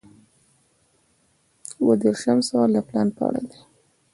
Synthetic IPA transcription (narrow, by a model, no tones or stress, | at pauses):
uwad̪eɾʃamsɑlaplɑnpəa̰ɽa̰d̪e